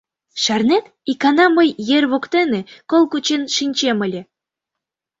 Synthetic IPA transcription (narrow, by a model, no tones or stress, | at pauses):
ʃærnet̪ | ikɑnɑməjːerʲβokt̪enĕkolˠkut͡ɕenʃinʲt͡ɕemə̆lʲĕ